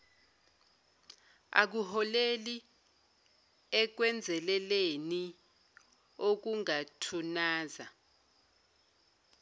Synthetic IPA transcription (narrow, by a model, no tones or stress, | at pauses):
a̰k̬uhɔleli | ɛk̬wɛnd͡zʱɛlɛleni | ok̬uŋatʰunaːza